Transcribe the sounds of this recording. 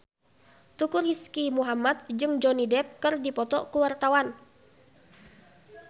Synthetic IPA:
t̪ukuriskimuɦamat̪̚d͡ʒɨŋd͡ʒɔnidɛp̚kɨrdipɔt̪ɔkuwart̪awan

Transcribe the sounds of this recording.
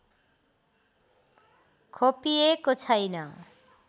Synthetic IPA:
kʰopiekot͡ɕʰajna

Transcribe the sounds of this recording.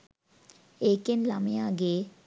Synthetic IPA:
ekenlaməjaːɡe

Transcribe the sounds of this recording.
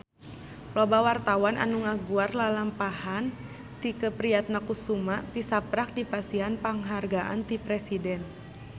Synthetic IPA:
plɔbawart̪awanʔa̰nuŋaɡuarlalampahan | t̪ikəpɾiat̪̚nakusumat̪isapɾak̚dipasiɦanpaŋɦarɡaʔa̰nt̪ipɾɛsidɛn

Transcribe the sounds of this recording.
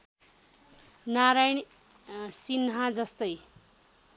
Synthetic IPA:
naɾajɳ | sinɦãd͡zʌst̪ʌj

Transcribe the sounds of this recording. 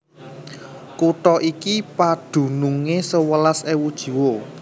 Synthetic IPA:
kut̪ɔʔikipad̪̥ṳnuŋesəwəlasewud̥ʒ̥i̤wo

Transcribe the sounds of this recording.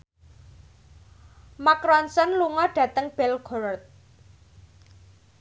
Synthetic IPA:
makɾɔnsɔnluŋɔɖ̥ä̤t̪əŋb̥ɛlɡ̥ɔɾrt̪̚

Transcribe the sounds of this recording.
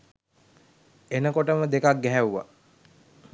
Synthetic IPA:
enəkoʈəməd̪ekak̚ɡɛɦæuʋa̰

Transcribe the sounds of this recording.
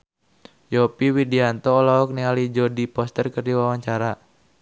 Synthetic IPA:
jɔpiwidiant̪ɔːlaɔk̚nialid͡ʒɔdipɔst̪ərkərdiwawaɲt͡ʃaɾa

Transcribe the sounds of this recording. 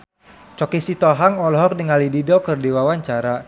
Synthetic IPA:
t͡ʃɔkisit̪ɔɦaŋɔlɔɦɔk̚dəŋalididɔkərdiwawaɲt͡ʃaɾa

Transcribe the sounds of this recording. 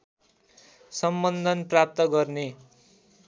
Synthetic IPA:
sʌmbʌnd̪ʱʌnprap̚t̪ʌɡʌrne

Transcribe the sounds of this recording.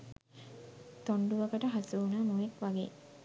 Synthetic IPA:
t̪oɳɖuʋəkəʈəɦasuːnaːmuʋekʋaɡḛː

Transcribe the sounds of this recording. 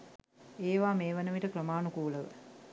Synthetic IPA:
eːʋaːmeːʋənəʋiʈəkrəmaːnukuːləʋə̰

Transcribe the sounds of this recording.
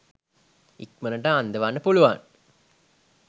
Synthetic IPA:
ikmənəʈəand̪əʋanːəpuluʋa̰n

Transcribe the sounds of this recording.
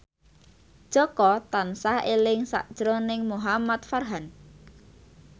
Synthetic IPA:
d̥ʒ̥ɔ̤kɔt̪ansahelɪŋsa̰ʔd̥ʒ̥ɾonɪŋmuɦamat̪̚farɦan

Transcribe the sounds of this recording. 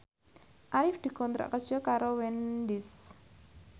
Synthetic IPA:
ʔaɾifd̪̥i̤kɔnt̪ɾa̰ʔkərd͡ʒ̥ɔkaɾowɛndis

